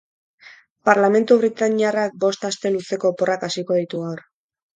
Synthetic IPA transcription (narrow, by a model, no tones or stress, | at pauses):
paɾlame̞nt̪uβ̞ɾit̪aɲiarak̚bo̞st̪ast̪e̞lut͡se̞ko̞po̞rakasiko̞ð̞it̪uɣawɾ